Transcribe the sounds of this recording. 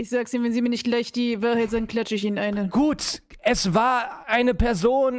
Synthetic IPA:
ʔɪçz̥aːɡəsiːmnvɛnziːmiːɐnɪçt̚ɡ̥laɪçd̥iːvaːɐhaɪtzaːɡn̩kʰl̥at͡ʃəɪçiːnənʔaɪnəɡ̥uːt | ʔɛsvaːɐʔaɪnəpʰɛɐzoːn

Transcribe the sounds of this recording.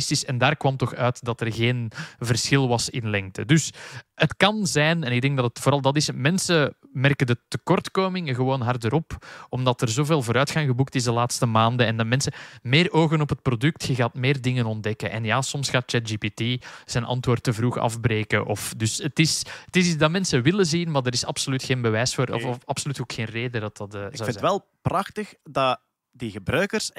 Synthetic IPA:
stɪsɛndaːrkwɑmtɔxœːtdɑtərɣeːnvərsxɪlˠʋɑsɪnlɛŋk̚tə̰dʏsətkɑnzɛːnɛnɪɡ̚dɛŋɡ̚dɑtətfoːɾɑlˠdɑtɪsmɛnsəmɛrkəndətəkɔrtkoːmɪŋəɣəʋoːnɦɑrdəɾɔpɔmdɑtərzoːveːlˠvoːɾœːtxɑŋɣəbuk̚tɪszdəlaːtstəmaːndəɛndmɛnsəmeːroːɣənɔpɦət̚prɔdʏk̚txəɣaːtmeːrdɪŋənɔndɛkənʔɛ̰njaːsɔmsxaːt̚t͡ʃɛt̚d͡ʒipitiz̥ɛnʔɑ̰ntwoːrtːəvruːxɑ̰fbɾeːkəʔɔfdʏsətɪsətɪsidɑmɛnsəʋɪləzinmardəɾɪsɑpsolytxeːnbəʋɛːsfoːɾɔ̰fɑpsolytoːkxeːnreːdədɑtɑtːzɪnɛlˠ | prɑxtəxdɑ | diɣəbɾœːkərs

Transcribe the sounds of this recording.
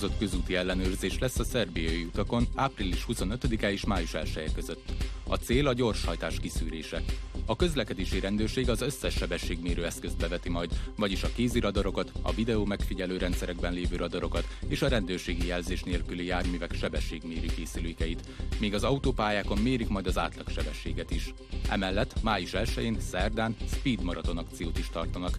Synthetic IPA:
zo̞t̪kø̞zuːt̪iɛlːɛnøːrzeːʃlɛsːɒsɛrbijɒjiut̪ɒko̞naːprilːiʃhuso̞nø̞t̪ød̪ikaeːʃmaːjuʃɛlʃɛjɛkø̞zøt̪ːɒ̰t̪seːlɒɟo̞rʃhɒjt̪aːʃkisyːɾḛːʃɛɒkø̞zlɛkɛd̪eːʃiɾɛnd̪øːrʃeːɡɒzø̞sːɛʃːɛbɛʃːeːɡmeːɾøːɛskø̞zd̪̚bɛvɛt̪imɒjd̪vɒɟiʃɒkeːziɾɒd̪ɒɾo̞kɒt̪ɒ̰vid̪ɛoːmɛkfiɟɛløːɾʔɛnt̪sɛɾɛɡbɛnleːvøːɾɒd̪ɒɾo̞kɒt̪eːʃɒɾɛnd̪øːrʃeːɡijɛlzeːʃneːlkylijaːrmiːvɛkʃɛbɛʃːeːɡmeːɾikeːsyløːkɛjit̪ | meːɡɒzɒut̪oːpaːjaːko̞mmeːɾikmɒjd̪ɒza̰ːt̪lɒkʃɛbɛʃːḛːɡɛt̪iʃ | ʔɛmɛlːɛt̪ːmaːiʃɛlʃɛ̰jeːnsɛrd̪aːnspiːd̪mɒɾɒt̪o̞nɒk̚t̪sijoːt̪iʃt̪ɒrt̪ɒnɒk

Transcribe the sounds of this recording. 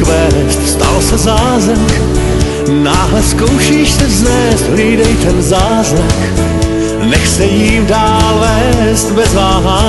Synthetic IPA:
vɛːst̪st̪a̰lsɛzaːzɾak | naːɦlɛsko̞wʃiːʃsɛvznɛːst̪ɦliːdɛjt̪ɛnzaːzɾak | nɛxsɛjiːmdaːlvɛːst̪bɛzvaːɦa

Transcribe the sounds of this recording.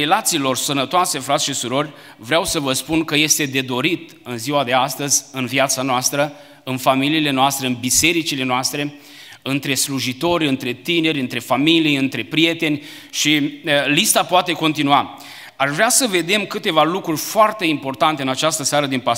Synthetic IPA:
elat̪siːlo̞rsənət̪oase̞fɾat̪sʃisuɾo̞rʲ | vɾeawsəvəspunkəje̞st̪e̞d̪e̞d̪o̞ɾit̪ | ɨnziwad̪e̞ast̪əzʲɨnviat̪sanoast̪ɾə | ɨnfamiliːle̞noast̪ɾeɨnbise̞ɾit͡ʃile̞noast̪ɾe̞ | ɨnt̪ɾe̞sluʒit̪o̞ɾʲɨnt̪ɾe̞t̪ine̞ɾʲɨnt̪ɾe̞familijɨnt̪ɾe̞pɾije̞t̪e̞nʲ | ʃiəlist̪apoat̪e̞ko̞nt̪inua | aʃvɾeasəve̞d̪e̞mkɨt̪e̞valukɾurʲfoart̪e̞impo̞rt̪ant̪eɨnat͡ʃast̪əsaɾəd̪inpa

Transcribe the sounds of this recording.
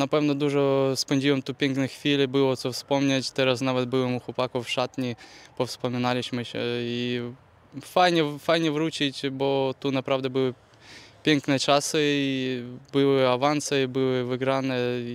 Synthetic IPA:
nɐpɛvnɔd̪uʐɔspɛnʲdʲiwəmt̪upʲenknɨxfʲilʲɪbɨlˠɔt̪sɔfspomnʲatʲt̪ɛɾasnavɛt̪̚ʲbɨləmuxʊpakʊfʂat̪nʲɪpɔfspəmʲɪnalʲɪɕmɨɕʲi | fajnʲɛfajnʲɛvɾut͡ɕɪtʲbot̪unapɾavd̪ɛbɨlˠɨ | pʲenknɨjət͡ʃasɨibɨlˠɨɐvant̪sɨbɨlˠɨvɨɡɾanɨ

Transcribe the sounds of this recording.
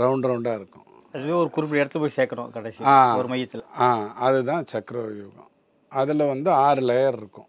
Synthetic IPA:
ɾɐʊɳɖɾɐʊɳɖaːɪɾɯkːʊ̰̃ | ɐðɯʋẽːɔɾɯkʊɾɪp̬ːɪɽɛɽɐt̪ːɯpoːjiseːkːɐɳõ̰kɐɽɛsiaːɔɾɯmɐjːɐt̪ːɪlaːɐðɯt̪ãːt͡ʃɐkɾɐʋɐjuːɡɐ̰̃ | ɐðɪlɐʋɐnd̪ɯaːɾɯlɛjɐɾɪɾɯkːʊ̰̃

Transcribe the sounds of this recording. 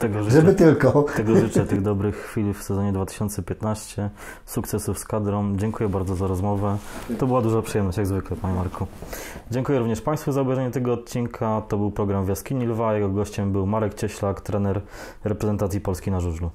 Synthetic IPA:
t̪ɛɡɔʐʐɛbɘt̪ɘlkɔt̪ɛɡɔʐɘt͡ʂɛt̪ɘɣd̪ɔbɾɘxːfʲilʲfsɛzɔɲɛd̪vat̪ɘ̥ɕɔnt̪sɛpʲjɛt̪naɕt͡ɕɛ | sukt̪sɛsufskad̪ɾɔmd͡ʑɛŋkujɛbaɾd̪zɔzaɾɔzmɔvɛt̪ɔbɘwad̪uʐapʂɨjɛmnɔɕt͡ɕjaɡzvɘklɛpaɲɛmaɾkʰud͡ʑɛŋkujɛɾuvɲɛʂpaj̃st̪fuzaubjɛjʐɛɲɛt̪ɛɡɔːt̪̚t͡ɕinkʰat̪ɔbɘwpɾɔɡɾamvʲjaskʲiɲilvajɛɡɔɡɔɕt͡ɕɛmbɘwmaɾɛkt͡ɕɛɕlakt̪ɾɛnɛɾ | ɾɛpɾɛzɛnt̪at̪sʲjipɔlskʲinaʐuʐlu

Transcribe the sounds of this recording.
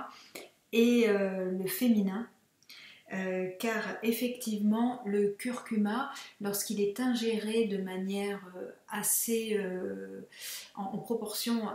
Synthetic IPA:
eøləfeminɛ̃ | økaʁefɛkt̪ivmɑ̃ləkʲyʁkʲymalɔʁskilɛt̪ɛ̃ʒeʁed̪əmanjɛʁøaseø | ɑ̃ːpχɔpɔʁsjɔ̃

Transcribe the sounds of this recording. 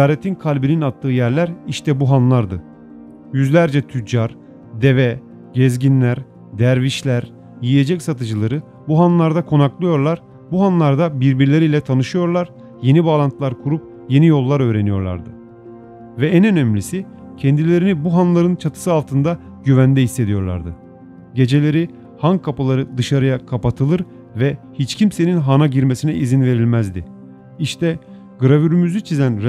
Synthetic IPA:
aːɾet̪ʰinkʰalʲbininat̪ʰːɯːjæɾlʲæɾiʃt̪ʰɛbuɦanlˠaɾd̪ɯ | jyzlʲæɾd͡ʒɛt̪ʰyd͡ʒaɾ | d̪evɛ | ɟɛzɟinlʲæɾ | d̪æɾviʃlʲæɾ | jijed͡ʒɛcsat̪ɯd͡ʒɯlˠaɾɯ | buɦanlˠaɾd̪akʰo̞naklˠɯjo̞ɾlˠaɾ̥ | buɦanlˠaɾd̪abiɾbiɾlʲe̞ɾilʲɛt̪ʰanɯʃɯjo̞ɾlˠaɾ | je̞nibalˠant̪ʰlˠaɾkʰuɾup̚ | je̞nijo̞lˠːaɾø̞ːɾe̞nijo̞̰ɾlˠa̰ɾd̪ɯ | vɛænø̞nɛmlʲisi | cʰɛnd̪ilʲe̞ɾinibuɦanlˠaɾɯnt͡ʃʰat̪ʰɯ̥sɯalˠt̪ʰɯnd̪a | ɟyvænd̪ɛɦhisːe̞d̪ijo̞ɾlˠa̰ɾd̪ɯ | ɟe̞d͡ʒe̞lʲe̞ɾi | hankʰapɯlˠaɾɯd̪ɯʃaɾɯjakʰapat̪ʰɯlˠɯɾ | vɛhit͡ʃcʰimse̞ninɦanaɟiɾmesinɛʔizinve̞ɾilʲmæzd̪i | iʃt̪ʰɛ | ɡɯɾavyɾymyzyt͡ʃʰizænɾ

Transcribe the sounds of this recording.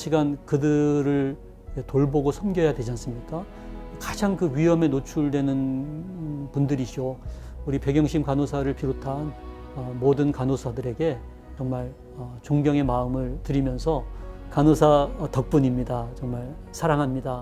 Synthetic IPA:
ɕʰiɡankɯdɯɾɯɭ | etoɭboɡosʰʌmɡjʌjadwe̞d͡ʑans͈ɯmɲik͈a | kad͡ʑaŋkɯɥiɦʌme̞not͡ɕʰuɭdwe̞nɯn | pundɯɾiɕo | uɾipe̞ɡjʌŋɕʰimkanosʰaɾɯɭpiɾotʰan | ʌmodɯnkanosʰadɯɾe̞ɡe̞ | t͡ɕʌŋmaɭ | ʌt͡ɕoŋɡjʌŋe̞maɯmɯɭtɯɾimjʌnsʰʌkanosʰatʌk̚p͈uɲimɲidat͡ɕʌŋmaɭ | sʰaɾaŋɦamɲida

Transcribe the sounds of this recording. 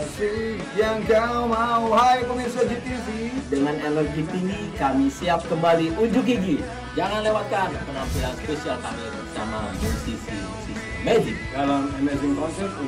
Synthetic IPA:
sijaŋd͡ʒamaaɦajpəmisad͡ʒit̪isidəŋanelɔd͡ʒit̪inikamisiap̚kəmbaliʔuɲd͡ʒʊkiɡi | d͡ʒaŋanlewat̪̚kanpənampilanspesialkamibəsaŋad͡ʒit̪isḭ | si | medidalamɛmɛd͡ʒinkɔnsɛn

